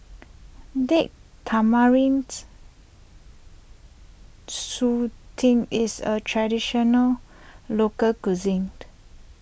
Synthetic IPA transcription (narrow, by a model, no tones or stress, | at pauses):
dɛʔ̚tʰamaɹĩnt | sutʰĩŋisətʰɹadiʃɔnəllokəlkuzĩŋt